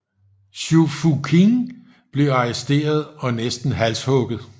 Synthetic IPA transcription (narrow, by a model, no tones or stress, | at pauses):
ɕufukʰiŋ | b̥le̝ɑ̈ɛsd̥e̝̰ːɐð̞̩ˠɒ̽nesd̥n̩ɦæl̰shɔ̽ɡ̥ð̩ˠ